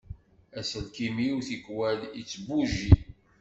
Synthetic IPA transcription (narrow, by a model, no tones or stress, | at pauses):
æsəlkimiwθikwæd̪it͡sːbuʒi